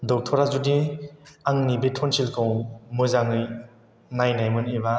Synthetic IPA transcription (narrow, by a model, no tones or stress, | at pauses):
dɔk̚tʰɔɾazudi | aŋnibetʰɔnsilkʰɯwmɯzaŋɯj | najnajmɯniba